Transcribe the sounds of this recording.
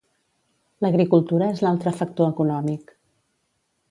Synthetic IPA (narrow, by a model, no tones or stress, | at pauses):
ləɣɾikulˠt̪uɾəezlalˠt̪ɾəfək̚t̪oəkunɔmik